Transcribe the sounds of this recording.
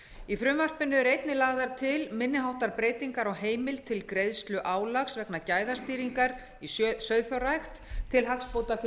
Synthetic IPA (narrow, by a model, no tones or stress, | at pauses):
ifɾʏmvar̥pɪnːʏɛɾejt̪nɪlaːɣðaɾ̥t̪ʰɪlmɪnːɪɦawht̪aɾpɾeːjt̪iŋkaɾɔɣɦeːjmɪlt̪ʰɪlkɾejðst̪lʏʔaːwlaxsvɛknacaːjðḁst̪iːɾiŋkaɾ | issœɥðfjawɾajxt̪t̪ʰːɪlɦakspoːwt̪af